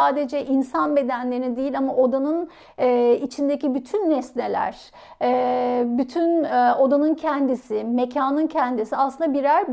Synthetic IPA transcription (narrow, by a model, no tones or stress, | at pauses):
aːd̪e̞d͡ʒɛʔinsanbe̞d̪ænlʲe̞ɾinid̪ejilʲamaʔo̞d̪anɯnː | it͡ʃʰind̪ecibyt̪ʰynːɛsnelʲæ̰ɾ̥ | byt̪ʰyno̞d̪anɯncʰɛnd̪isɪmecʰaːnɯncʰɛnd̪isiaslɯnd̪abiɾæɾb